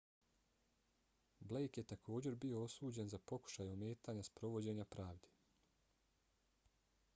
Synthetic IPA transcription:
ble̞jkjet̪akʰo̞ːd͡ʑe̞ɾbio̞osuːd͡ʑe̞nzapo̞ku̥ʃajome̞ːt̪aːɲaspɾo̞ʋo̞d͡ʑe̞ːɲapɾaːʋd̪e

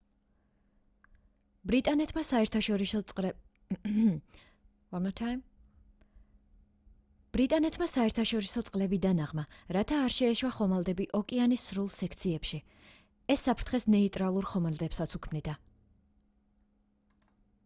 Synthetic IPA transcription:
bɾit̪ʼanɛt̪ʰmasaɛɾt̪ʰaʃɔɾi | mtʰ | b̥ɾit̪ʼanɛt̪ʰmasaɛɾt̪ʰaʃɔɾisɔt̪sʼqʼlɛbid̪anaʁmaɾat̪ʰaːɾʃɛːʃwaχɔmalˠd̪ɛbiʔɔkʼianisːɾulˠsɛkʰt̪sʰiɛpʃi | ɛsːapʰɾt̪ʰχɛsnɛit̪ʼɾalˠuɾχɔmald̪ɛpsat̪sʰukʰmnid̪a

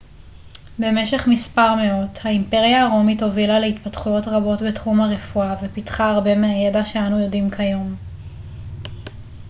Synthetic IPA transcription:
be̞me̞ʃe̞χmispaʁme̞o̞thaimpe̞ʁijaːʁo̞mito̞vilaleitpatχujo̞tʁabo̞tbetχumhaʁe̞fuavepitχaːʁbe̞meaje̞daʃeanujo̞dimkʰajo̞m

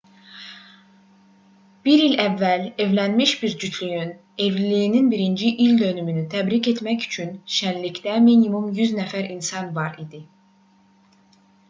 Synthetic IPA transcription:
b̥iɾilævːæle̞vlænmiʃb̥iɾd͡ʒyt̪ʰlyjyn | e̞vllijːninbiɾind͡ʒiʔild̪ø̞nymynyt̪ʰæbɾice̞t̪mæcy̥t͡ʃʰynʃænlicd̪æminimumjyznæfæɾinsɑnvɑɾid̪i

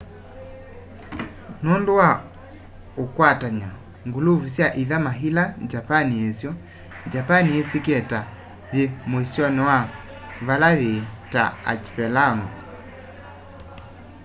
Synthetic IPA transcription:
nondowa | okwataɲa | ŋɡuluvusjaʔiðamaɦilad͡ʒapaniesjɔ | d͡ʒapaniesikɛta | ðemoisjɔnɛwa | valaðeta̰a̰t͡ʃi̥pɛlanɔ

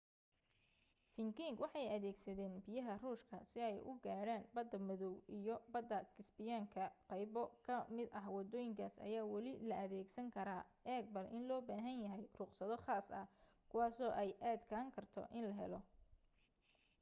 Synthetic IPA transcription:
fɪŋkɪŋɡwɑħɑjɐðɛːɡsɐðɛːnbɪjɐɦɐruːʃkʰɐsɪɛjʔʊ̰ɡaːɽaːnbɐd̪ːɐmɐðɔwʔijɔbɐd̪ːɐkʰɪsbɪjaːŋkʰɐqɑjbɔkʰɐmɪd̪ɐɦwɑd̪ɔːjɪŋkʰaːsɐ̰jaːwɐlɪlɐʔɐðɛːɡsɐŋkʰɐɾaːɛːɡ̚bɐlʔɪ̰nlɔːbaːɦɐnjɐɦɛjrʊqsɐðɔχaːsɐh | kʰʊwaːsɔːʔɛjʔaːd̪kʰɐɐŋkʰɐrt̪ʰɔ̰ʔɪnlɐɦɛlɔ

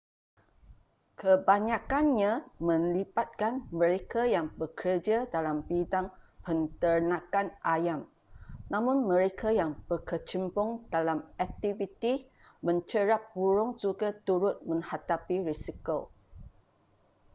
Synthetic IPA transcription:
kʰəbaɲakanɲãmə̃nlipat̪̚kanmə̃ɾekajaŋbəkʰərd͡ʒadalambidaŋpənt̪ərnãkanʔajam | nãmʊ̃nmə̃ɾekajaŋb̥əkət͡ʃəmbʊŋdalamɛk̚t̪ivit̪i | mə̃ɲt͡ʃəɾap̚buɾʊŋd͡ʒuɡat̪uɾʊt̪̚mə̃ŋhat̪apiɾisiko

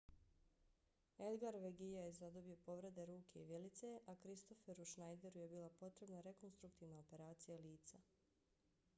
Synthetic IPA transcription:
elɡaɾʋeɡijajezad̪o̞bio̞po̞ʋɾe̞d̪e̞ɾuːkʰe̞iʋjelit̪se̞ʔakɾist̪o̞fe̞ɾuʃnajd̪e̞ɾuje̞biːlˠapo̞t̪ɾe̞bnaɾe̞ko̞nst̪ɾukt̪iːʋnaope̞ɾaːt̪sijaliːt̪sa

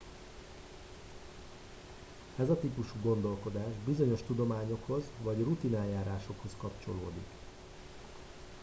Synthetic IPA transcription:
ɛzɒt̪ipuʃuːɡo̞nd̪o̞lko̞d̪aːʒbizo̞ɲo̞ʃt̪ud̪o̞maːɲo̞kho̞zʋɒɟrut̪inɛljaːɾaːʃo̞kho̞skɒpt͡ʃo̞lo̰ːd̪ḭk

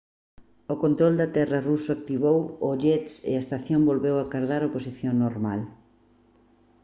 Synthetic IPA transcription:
okont̪ɾold̪ɐt̪ɛrɐrusoak̚t̪iβowoʎesḛaest̪aθjombolβewakaɾðaɾoposiθjoŋnoɾmal

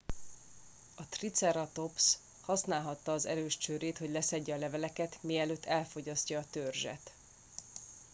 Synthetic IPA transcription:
ɒt̪rit̪sɛɾɒt̪o̞ps | hɒsnaːlɦɒt̪ːɒːzɛ̰ɾøːʃt͡ʃøːɾeːt̪ho̞ɟlɛsɛɟːɛːlɛvɛlɛkɛt̪miːɛløːt̪ʰːɛlfo̞ɟɒscɒːt̪ørʒɛ̰t̪

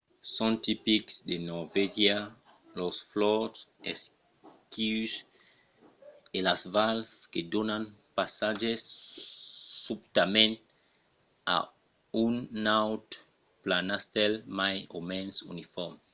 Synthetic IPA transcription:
sɔ̃nt̪ipiksd̪enɔɾvɛʒa | lɔsflɔses | kus | elasvalsked̪onãnpasaʒes | ubt̪amẽnt | a̰ | unːawt̪ | planast̪ɛlmajomɛ̃nsṵnifɔɾm

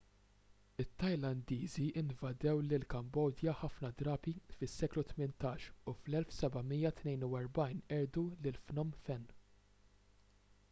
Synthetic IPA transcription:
ɪt̪ːɐjlɐnd̪iːziʔɪnvɐd̪ɛwlɪlkɐmbɔːd̪jɐħɐfnɐd̪ɾɐːbifɪsːɛːklut̪mɪnt̪ɐːʃuflɛlfsɛbɐmijːɐt̪nɛjnuwɛɾbɐjnɛːd̪ulɪlfnɔmfɛnː

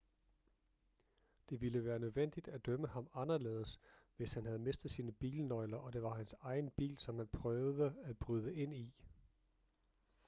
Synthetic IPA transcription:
d̥e̝ʋiləʋæːɐnøðˠʋen̰d̥id̥æd̥œməhɑ̈mɑ̈nɐle̝̰ːð̞ˠəsʋe̝shænɦæð̞ˠme̝sd̥ð̩ˠsiːnəb̥ḭːlənɒ̽ɪlɐʔɒ̽d̥e̝ʋɑ̈hænsɑ̈ɪn̩b̥ḭːlsɒ̽mhænpʰʁœːʊðˠəæ̥b̥ʁyð̞ˠəʔe̝n̰i

